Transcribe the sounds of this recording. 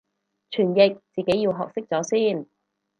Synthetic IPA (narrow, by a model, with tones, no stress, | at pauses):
t͡ʃʰyː˨˩njɪ˨k̚t͡siː˨ke˨˥jiː˧wɦɔ̰ː˨k̚sɪ˥k̚t͡sɔː˨˥siː˥˩n